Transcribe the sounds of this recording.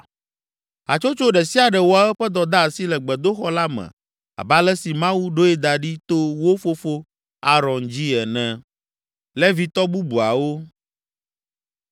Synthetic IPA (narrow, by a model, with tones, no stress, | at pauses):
a̰˨t͡ʃo˦t͡ʃo˦ɖɛ˨si˦a˨ɖɛ˨wo˦a˨ɛ˦ɸɛ˦d̪ɔ˨d̪a˦˨si˦lɛ˨ɡ͡bɛ˨d̪o˦xɔ˦la˦mɛ̰̃˨ | a̰˨ba˦lɛ˦si˨mã˦wu˦ɖo˦ɛ˦d̪a˨ɖi˦t̪o˦wo˦fo˦fo˦ | a˨ɾɔ̃˨nd͡ʑi˦ɛ˨nɛ̃˨ | lɛ˦vi˨t̪ɔ˦bu˦bu˨a˨wo˦